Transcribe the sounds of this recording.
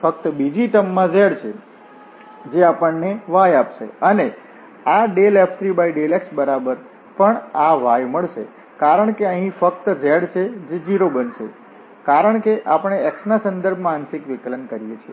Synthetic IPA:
fək̚t̪bid͡ʒiʈəmːãd͡ʒeɽt͡ʃʰe | d͡ʒeapəɳneʋajapʃḛəne | aɖelɛpt̪ʰɾibaiɖeleksbəɾabəɾ | pəɳaʋajməɭʃḛ | kaɾəɳkeəɦĩfəkt̪d͡ʒeɽt͡ʃʰed͡ʒed͡ʒiɾobənʃe | kaɾəɳkeʔapəɳ̃eɛksnasə̃nd̪əɾbʱmãːnsɪkʋɪklənkəɾijet͡ʃʰie

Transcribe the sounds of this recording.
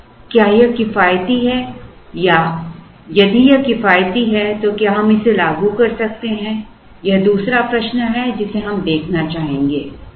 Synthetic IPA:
kjaːjekɪfaːjt̪iɦɛ | ja | jɐd̪ijekɪfaːjt̪iɦɛt̪okjaːɦɐmɪselaːɡukɐɾsɐk̚t̪eɦɛ̃ | jɐɦd̪uːsɾapɾɐʃnɦɛd͡ʒɪseɦɐmd̪eːkʰnat͡ʃaːɦẽːŋɡeː

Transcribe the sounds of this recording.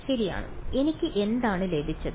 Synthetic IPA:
ɕɐɾija̰ːɳɨ̰e̞nikʲːɨʔe̞nd̪aːɳɨle̞ːb̪ʱit͡ɕːɐð

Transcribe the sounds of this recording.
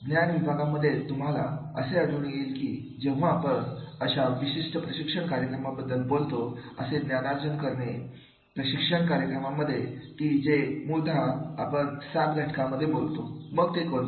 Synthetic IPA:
ɡnjanʋibʱaɡaməd̪ʱːjet̪um̤alaə̰seəɽuɳjelkiː | d͡ʑẽʋ̤aːpəɳəɕaʋiɕiʂʈəpɾəɕikʂəɳkaɾjəkɾəmabəd̪ʱːəlbolt̪oəseɡnjanaɾd͡zənkəɾɳe | pɾəɕikʂəɳkaɾjəkɾəmaməd̪ʱːjet̪iːd͡ʑemuɾd̪ʱaapəɳsad̪ɡʱaʈkaməd̪ʱːjebolt̪oməɡt̪ekon

